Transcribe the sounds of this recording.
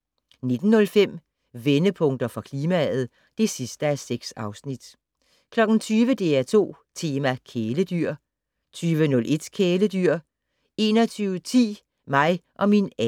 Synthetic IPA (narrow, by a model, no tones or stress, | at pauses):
ne̝d̥n̩ːɔ̽lfem̰ | ʋenəpʰɔ̽ŋd̥ɐfʁɑ̈kʰliːmææð̩ˠ | d̥e̝sisd̥əæseɡ̥sɑ̈ʊsnid̥ | kʰlɒ̽ɡ̥n̩t͡sʰyːʋəd̥e̝æɐt͡sʰo̝̰ː | t͡sʰe̝ːmækʰeːləd̥yɐ̰ | t͡sʰyːʋənɔ̽lʔe̝d̥kʰeːləd̥yɐ̰ | e̝ːnɒt͡sʰyːʊət͡sʰḭː | mɑ̈ɪʔɒ̽minɛ